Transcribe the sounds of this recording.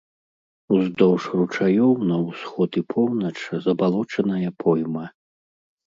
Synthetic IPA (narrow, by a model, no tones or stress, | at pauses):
uzd̪ɔwʂrut͡ʂajɔwnɐwsxɔt̪ipʰɔwnɐt͡ʂzɐbalˠɔt͡ʂɐnɐjɐpʰɔjmɐ